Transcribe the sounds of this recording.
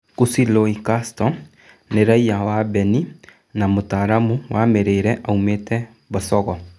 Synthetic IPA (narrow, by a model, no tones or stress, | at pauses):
kusiloikastɔ | neɾaiawaːbɛni | namotaɾamuwameɾeɾɛʔaumetɛ | basɔɣɔ